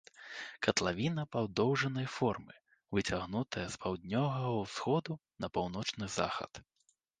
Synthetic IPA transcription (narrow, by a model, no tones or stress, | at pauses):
kɐt̪lˠavʲinɐpawd̪ɔwʐɐnɐjfɔrmɨ | vɨt͡sʲaɣnut̪ʰɐjɐspawd̪̚ʲnʲɔvɐɣɐwsxɔd̪unɐpawn̪ɔt͡ʂnɨza̰xɐ̰t̪